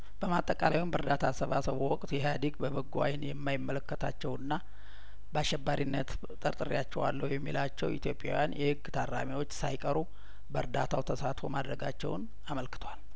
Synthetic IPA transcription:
b̥əmat̪ʼːəkʼalajwumbəɾd̪at̪ʰasəβasəβuwɔkʼt̪jɛɦad̪iɡbəβəɡːa̰jnjɛmːajɪmːələkːət̪ʰa̰t͡ʃːɛwɨnːa | bəaʃːɛbːaɾinːət̪ | t̪ʼəɾt̪ʼɨɾijat͡ʃːɛwa̰lːəwjɛmːilat͡ʃːɛwit̪jo̞pʼja̰wjanjɛhɨɡt̪ʰarːa̰miwo̞t͡ʃːsajkʼəɾu | bəɾd̪at̪ʰawt̪ʰəsat̪fo̞̰mad̪ɾəɡat͡ʃːɛ̰wn | aməlkɨ̥t̪ʰwal

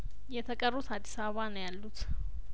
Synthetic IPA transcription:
jɛt̪ʰɐkʼərut̪ʰad̪i̥saβanəjalːut̪ʰ

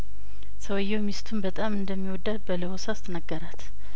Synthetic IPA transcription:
səwjːɛwmist̪ʰumbət̪ʼamɨnd̪əmːiwɔd̪ːabələwosast̪ʰnəɡːəɾat̪

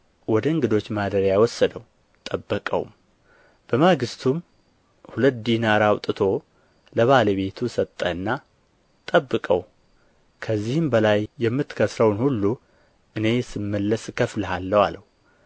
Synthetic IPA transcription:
wɔd̪əɨŋɡɨd̪o̞t͡ʃːmad̪əɾjajwɔsːəd̪əw | t̪ʼəbːəkʼə̰w̰m | b̥əmaɡɨst̪ʰum | hulət̪̚d̪inaɾawt̪ʼɨt̪ʰo̞ | ləβaləβe̞t̪ʰusət̪ʼːəɨnːa | t̪ʼəbːɨkʼə̰w | kʰəzːihɨmbəlajːɛmːɨt̪kʰəsɾəwnhulːu | ʔɨne̞sɨmːəlːəskʰəfləhalːəwaləhu

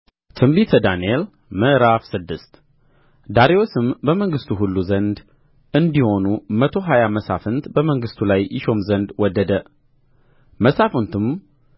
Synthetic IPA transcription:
t̪ʰɨmbit̪ʰəd̪aniel | məʔɾafsɨd̪ːɨst̪ | d̪aɾewosɨmbəməŋɡɨst̪ʰuɦulːuzənd̪ | ʔɨnd̪iho̞numət̪ʰo̞ɦajaməsa̰fɨnt̪bəməŋɡɨst̪ʰulajʔɪʃo̞mzənd̪wɔd̪ːəd̪ə | məsafunt̪ʰɨm

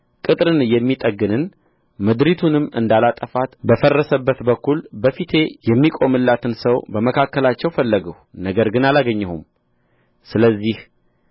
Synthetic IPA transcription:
kʼɨt̪ʼɾɨnjɛmːit̪ʼəɡɨnɨn | mɨd̪ɾit̪ʰunɨmɨ̰nd̪alat̪ʼəfat̪bəfərːəsəbːət̪bəkːulbəfit̪ʰe̞jɛmːikʼo̞mɨlːat̪ʰɨnsəwbəməkʰakːəlat͡ʃːɛwfəlːəɡəhnəɡəɾɡɨnalaɡəɲːɛhum | sɨləzːih

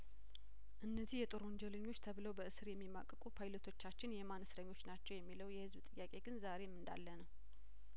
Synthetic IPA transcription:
ʔɨnːəzihjɛt̪ʼoɾwoɲd͡ʒɛləɲːo̞t͡ʃːt̪ʰəβɨləwbəɨsɨɾjɛmːima̰kʼːəkʼupʰajlət̪ʰo̞t͡ʃːat͡ʃːɪnjɛmanəsɾəɲːo̞t͡ʃːnat͡ʃːɛwjɛmːiləwjɛhɨzbt̪ʼɨjːakʼeɡɨnzaɾemɨnd̪a̰lːənəw

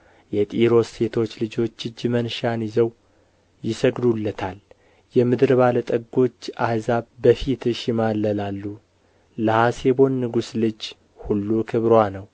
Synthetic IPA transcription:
jɛt̪ʼiɾo̞sːe̞t̪ʰo̞t͡ʃːlɨd͡ʒo̞t͡ʃːɨd͡ʒːmənʃanɪzəw | jɪsəɡd̪ulːət̪ʰal | jɛmɨd̪ɨɾbalət̪ʼəɡo̞t͡ʃːahzaβbəfit̪ʰɨʃjɪmalːəlalːu | ləhase̞βo̞nːɨɡuslɨd͡ʒ | hulːukʰɨβɾwanəw

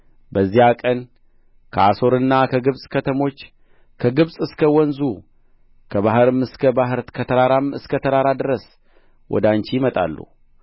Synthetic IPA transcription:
bəzːihakʼən | kʰəaso̞ɾɨnːakʰəɡɨβsʼkʰət̪ʰəmo̞t͡ʃː | kʰəɡɨβsʼɨskʰəwɔnzu | kʰəβaɦɾɨmɨskʰəbahɨɾkʰət̪ʰəɾaɾamɨskʰət̪ʰəɾaɾad̪ɨɾəs | wʔɔ̰d̪ant͡ʃijɪmət̪ʼa̰lːṵ

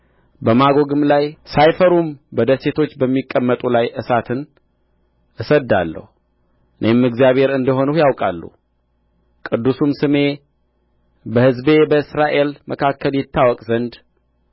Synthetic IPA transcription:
bəmaɡo̞ɡɨmlajsajfəɾumbəd̪əse̞t̪ʰo̞t͡ʃːbəmːikʼːəmːət̪ʼulajʔɨsat̪ʰɨn | ʔɨsəd̪a̰lːə̰hu | ɨnʔemɨɡzijaβe̞ɾɨnd̪əɦo̞nujawkʼa̰lːṵ | kʼɨd̪ːusumsɨme̞ | bəhɨzbe̞bəɨsɾaʔe̞lməkʰakːəljɪt̪ʰːawɔkʼzənd̪

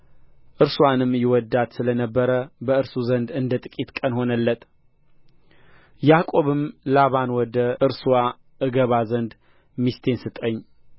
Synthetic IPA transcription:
ʔɨɾswanɨmjɪwɔd̪ːat̪sɨlənəbːəɾəbəɨɾsuzənd̪ɨnd̪ət̪ʼɨkʼit̪kʼənho̞nəlːət̪ | jakʼo̞βɨmlaβanwɔd̪əɨɾsuwa | ʔɨɡəβazənd̪ | mist̪ʰe̞nsɨt̪ʼəɲː

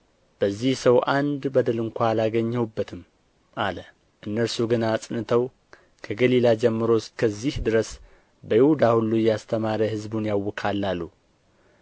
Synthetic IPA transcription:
b̥əzːihsəwʔand̪bəd̪əlɨŋkʷʰaːlaɡəɲːəwbːət̪ʰɨm | ʔalə | ʔɨnːəɾsuɡɨnaːsʼnɨt̪ʰəw | kʰəɡəlilad͡ʒɛmːɨɾoskʰəzːihd̪ɨɾəs | bəjɪhud̪ahulːujast̪ʰəmaɾəhɨzbunjawːɔkʰalːalːu

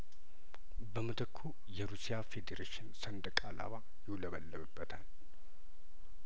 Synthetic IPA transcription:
bəmɨt̪əkʰːu | jɛɾusijafe̞d̪eɾeʃɪnsənd̪əkʼala̰βa | jɪwləβəlːəβɨbːət̪ʰal

